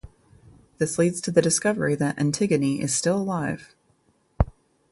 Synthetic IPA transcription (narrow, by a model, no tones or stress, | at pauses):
ðɪslidz̥tʰɨðɨdɨskʌvə˞iðɨɾʔɨ̰̃ntʰɪɡɨniʔɪɨz̥stɪlˠəlaɪv̥